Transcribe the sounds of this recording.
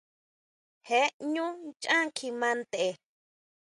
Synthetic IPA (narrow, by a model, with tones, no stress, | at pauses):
he˨˦ɲũ˦t͡ʃã˦kʰi˧mã˧nt̪e˨